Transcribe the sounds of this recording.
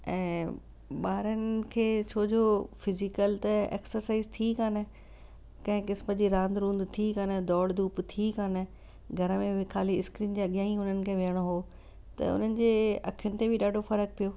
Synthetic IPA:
ɛ̃ː | ɓaːɾənɪ̆kʰeːt͡ɕʰoːd͡ʑʱoːfɪzɪkəlt̪ɐḛːksəɾsaːizt̪ʰikaːnɪ̆ | kɐ̃ɦɪ̃kɪsməd͡ʑiːɾãːnd̪ɾũːnd̪t̪ʰikaːnəd̪ɔːɽd̪uːpt̪ʰikaːnɪ̆ | ɡʱɐɾəmẽʋɪkʰaːliɪskɾiːnd͡ʑeɐɠɪjaːɦĩʊnənɪ̆kʰẽːʋejəɽ̃oɦoː | t̪ɐ̰ʊ̰n̤ənɪ̆d͡ʑeːɐ̰kʰijʊnɪ̆t̪ebʱɪɗaːɖʱofɐɾək̚pijoː

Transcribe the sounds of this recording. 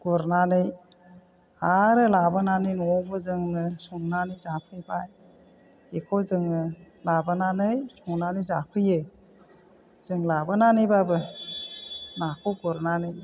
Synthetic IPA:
ɡ̥ɔɾnanɯj | aɾɯlabɯnanɯjnɔbɯzɯŋnɯsɔŋnanɯjzapʰɯjbaj | ekʰozɯŋɯ | labɯnanɯjsɔŋnanɯjzapʰɯje | z̥ɯŋlabɯnanɯjbabɯ | nakʰɔɡɔɾnanɯj

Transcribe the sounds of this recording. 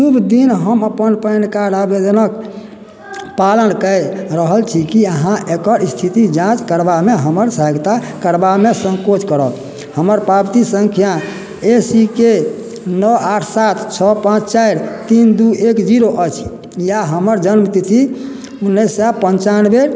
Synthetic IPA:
subd̪inɦəməpənpənkaɾabed͡ʒənək | palənkəɾəɦəlt͡ʃʰikiəɦãʔekəɾist̪ʰit̪id͡ʒãt͡ʃkəɾbameɦəməɾsəɦəɡt̪akəɾbamesə̃ŋkot͡ʃʰkəɾət̪ | həməɾpabt̪isəŋkʰija | esike | nɔaʈʰsat̪ʰt͡ʃʰɔpãt͡ʃʰt͡ʃaeɾt̪ind̪uekd͡ʒiɾoʔət͡ʃʰ | jaɦəməɾd͡ʒənmt̪it̪ʰi | unːəsːapənt͡ʃanbeɾ

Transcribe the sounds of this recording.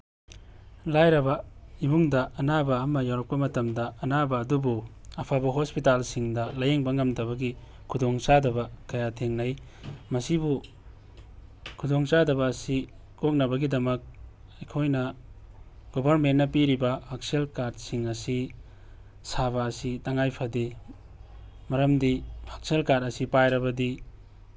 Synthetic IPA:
lajɾɐbɐibuŋdɐɐnabɐːmɐjawɾɐk̚pɐmɐtɐmdɐɐnabɐːdubu | ɐpʰabɐɦospitalsiŋdɐlɐjeŋbɐŋɐmdɐβɐɡi | kʰudoŋsadɐbɐkɐjatʰeŋnɐj | mɐsibu | kʰudoŋsadɐbɐːsi | kok̚nɐbɐɡidɐmɐk̚ | ɐjkʰojnɐ | ɡ̥obʱɐɾmentnɐpiɾibɐhak̚selkaɾdsiŋɐsi | saβɐːsitɐŋajpʰɐde | mɐɾɐmdihak̚selkaɾdɐsipajɾɐbɐdi

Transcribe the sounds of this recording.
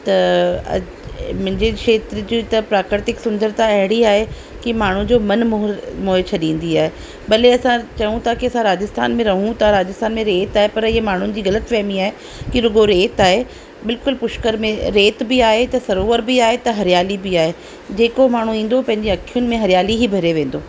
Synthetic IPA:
t̪ɐɐ̰ | mʊ̃ɦɪ̃ɲd͡ʑekʃeːt̪ɾd͡ʑiːt̪ɐpɾaːkɾɪt̪ɪksʊ̃nd̪əɾt̪ãɐɦɪɽiaːɦe | kimaːɳ̤ud͡ʑoːmɐnmomoːɦet͡ɕʰɐɗĩːn̆d̪iaːɦe | ɓɐleɐsãt͡ɕɐũt̪ʰakiɐsãɾaːd͡ʑɪst̪ʰa̰ːnmẽɾɐɦũt̪ʰaɾaːd͡ʑɪst̪ʰaːnmẽɾeːt̪aːɦepɐɾɪɦemaːɳ̤ʊnɪ̆d͡ʑiːɣɐlət̪fɛːmiaːɦe | kiɾʊɠoɾeːt̪aːɦe | bɪlkʊlpʊʃkəɾmẽɾeːt̪bɪaːɦet̪ɐsɐɾoːʋəɾbiaːɦet̪ɐɦɐɾijaːlibɪaːɦe | d͡ʑeːkomaːɳ̤ũĩːn̆d̪opɐ̃ɦɪ̃ɲd͡ʑeɐkʰijʊnɪ̆mẽɦɐɾijaːliɦibʱɐɾeʋẽːnd̪oː

